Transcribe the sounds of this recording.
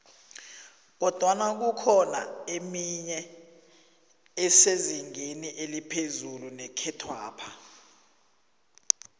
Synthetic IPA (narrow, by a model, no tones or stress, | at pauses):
k̬ɔd̥ʱwanak̬ukʰɔna̰emiɲɛ | ɛseziŋeniʔelipʰezulunɛkʰɛtʰwa̰ːpʰa